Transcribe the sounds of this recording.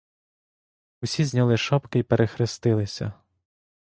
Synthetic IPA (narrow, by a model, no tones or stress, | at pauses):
ʊsʲizʲnʲɐlˠɪʃɔpkɪipeɾʔexɾɪst̪ɪlˠɪsʲɐ̰